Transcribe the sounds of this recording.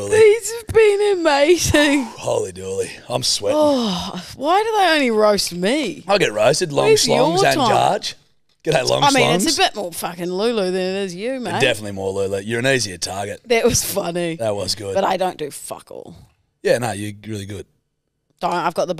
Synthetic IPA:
iz̥ɨvbĩnɨmeɪzɪ̃ŋhoʊlˠidɔɹlˠi | ãɪ̃mswɛɔ | waɪdɨðeɪõʊ̃nliɹoʊstmiaɪlˠɡɛt̚ɹoʊstɨdˡlɔ̰̃slɔ̰̃ŋzə̃nɑ̰ɹd͡ʒ | ɡ̥ɛɾlɔ̰̃ŋaɪsmĩnɨ̃ŋtsɨbɪt̚mɔɹfʌkɨ̃nlʉləðɨ̃nɨɾɪzjɨmæ̃dɛfənətˡlimɔɹlʉlˠəjə˞ɨ̃niziə˞tʰɑɹɡɨt̚ðɨʔ̚wʌz̥fʌniðɨt̚wʌzɡʊd̥b̥ʌɾaɪdõʊ̃nd̥ɨfʌ̰kɔ̰lˠ | jænoʊjə˞ɹɪlˠiɡʊd̥̚ | d̥õʊ̃ntaɪvɡɑt̪̚ðəb

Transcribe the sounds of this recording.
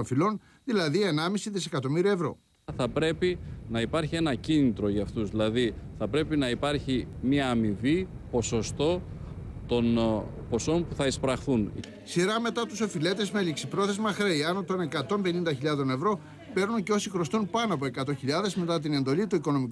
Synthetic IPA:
nfilo̞n | ðilɐðie̞nɐmisiðise̞kɐt̪o̞miɾiɐevɾo̞̰ | θɐpɾe̞pinɐipɐɾçie̞nɐcinit̪ɾo̞ʝɐft̪uzðilɐðiθɐpɾe̞pinɐipɐɾçimiɐːmivi | po̞so̞st̪o̞ | t̪o̞n | po̞so̞npuθɐispɾɐxθun | siɾɐme̞t̪ɐt̪uso̞file̞t̪e̞zmeliksipɾo̞θe̞zmɐxɾeiɐnot̪o̞nekɐt̪o̞mbe̞nind̪ɐçiʎɐðo̞ne̞vɾo̞ | pe̞ɾnunceo̞sixɾo̞st̪unpɐnoɐp̬oe̞kɐt̪o̞çiʎɐðe̞zme̞t̪ɐt̪̬ine̞nd̪o̞lit̪uiko̞no̞mik

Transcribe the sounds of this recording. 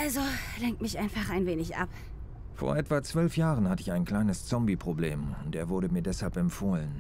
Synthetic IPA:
ʔalzolɛŋktmɪçʔaɪnfaχaɪnveːnɪçʔa̰p | fo̰ːɐʔɛtv̥at͡sv̥œlfjaːʁənhatəɪçaɪnkl̥aɪnəst͡sɔmbipʁ̥obleːmʊnteːɐvʊɐɾəmiːɐdɛshalpɛmfoːlən

